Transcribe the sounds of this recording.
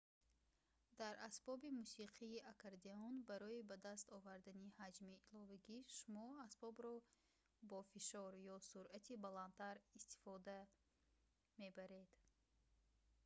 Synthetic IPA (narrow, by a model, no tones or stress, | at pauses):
d̪̥aɾasbɔbimusiqʰiːʔakʰaɾd̪eɔnbaɾɔibad̪ast̪ɔvaɾd̪anihad͡ʒmiːlɔvaɡiʃumɔasbɔbɾɔ | bɔfiʃɔɾjɔsuɾʔat̪ʰibalant̪ʰaɾist̪i̥fɔd̪a | me̞baɾe̞d̪̥